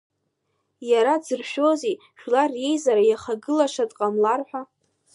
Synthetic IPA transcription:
jaɾad͡zɨrʃᶣo̞ze | ʃᶣlarje̞jzaɾajaχaɡɨlaʂadʼqʼamlarħʷa

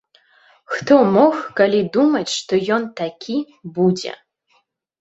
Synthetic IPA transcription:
xt̪ʰomoɣkalʲid̪umɐt͡sʂt̪ojɔnt̪ʰakʲʰi | bud͡zḛ

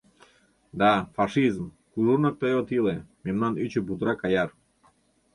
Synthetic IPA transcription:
d̪afaʃizm | kuʒuɾnak̚t̪ajot̪ilɛmɛmnanyt͡ʃubut̪ɾakajaɾ

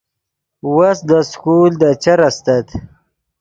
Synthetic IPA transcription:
wasd̪əskuld̪ət͡ʃaɾast̪at̪

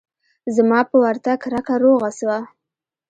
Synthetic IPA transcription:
zamɑpəwaɾt̪akɾakaɾoɣaswa

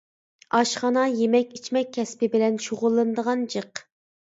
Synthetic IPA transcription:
ɑʃχɑnɑjemɛkʲit͡ʃʰmɛk̚ʲʰːɛspɪbɪlɛnʃoʁʊlˠːɨnd̪əʁɑnd͡ʒəq

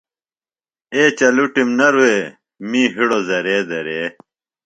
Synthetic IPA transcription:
eːt͡ɕɐluʈimnɐɾuweː | mĩːɦiɽozɐɾeːd̪ɐɾeː

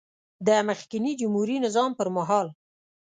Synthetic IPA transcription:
d̪əməxkɪnid͡ʒʊmhuɾinɪzɑmpəɾmaɦɑl

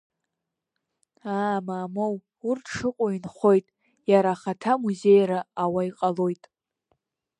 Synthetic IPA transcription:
aːmaːmow | urtʰʂɨqʷʼoinχo̞jtʼ | jaɾaχatʰamuze̞jɾaːwaiqʼalo̞jtʼ

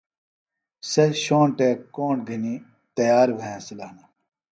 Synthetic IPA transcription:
sɐɕoːɳʈeːkːoːɳʈɡʱɐni | t̪ɐjaːɾbʱɐjãsilaːnɐ

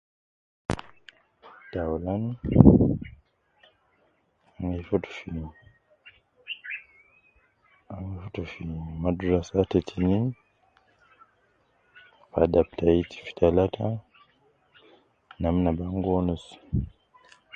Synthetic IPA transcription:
taɔlan | aŋefoto̥fin | aŋefotofinmaduɾasatetʰinin | padaptʰaitʰi̥fi̥talatʰa | namnabaŋɡɔnus

